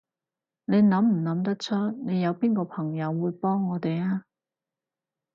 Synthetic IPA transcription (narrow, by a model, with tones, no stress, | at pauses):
ne˨˧jnɐ˨˥mm̩˨˩nɐ˨˥mt̪ɐ˥k̚t͡ʃʰɵ˥t̚ne˨˧jɐ˨˧wpiː˥nkɔː˧pʰɐ˨˩ŋjɐ˨˧wːuː˨˧jpɔː˥ŋːɔː˨˧t̪e˨jaː˥